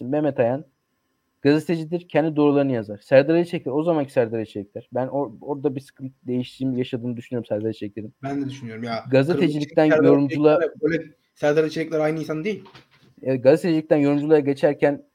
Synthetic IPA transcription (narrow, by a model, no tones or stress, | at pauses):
imbemɛt̪ʰajan | ɡ̥azet̪ʰed͡ʒid̪iɾcʰɛnd̪id̪o̞ɾulˠaɾɯnɯjazaɾ̥sæɾd̪aɾajit͡ʃʰeclʲiɾo̞zamancʰi̥sæɾd̪aɾet͡ʃʰelʲɛcʲlʲæɾ̥bænooɾd̪abisɯ̥kʰɯnt̪d̪e̞jiʃt̪ʰiːmjaʃad̪ɯːnɯd̪yʃynyoumsæɾd̪aɾit͡ʃʰeclʲeɾimbænd̪ɛd̪yʃynyjo̞ɾumjaɡazaetd͡ʒilʲic̚t̪ʰænjo̞ɾumd͡ʒulˠabølʲɛ | sæɾd̪aɾet͡ʃʰeɛcʲlʲæɾajnɯinsand̪ejilʲ | eɛt̪̚ɡazet̪ʰed͡ʒilʲic̚t̪ænjo̞ɾumd͡ʒulˠaɾaɟe̞t͡ʃʰæɾcʰæn